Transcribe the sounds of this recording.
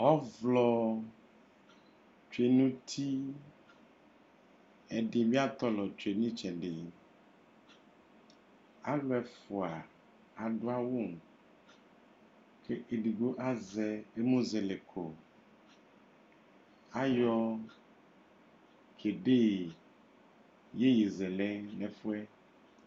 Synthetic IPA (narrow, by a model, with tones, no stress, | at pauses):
ɔ˦vlɔ˦ | t͡ʃe˨nũ˦t̪ʰi˦ | ɛ˨ɖe˨mĩ˦a˦t̪ɔ˦lɔ˨t͡ʃu˨e˨nĩ˦t͡ʃɛ̃˨ɖe˨ | a˦lwɛ˨fu˨a˨ | a˨ɖo˦a˦wo˦˨m | kʰe˦ʔe˨ɖi˨ɡo˦ʔa˦zɛ˨e˦mõ˦zɛ˨le˨kʰo˨ | a˦jɔ˦ | kʰe˨ɖe˦˨ | je˦ji˨zɛ˨lɛ˦lɛ˨fu˦ɛ˦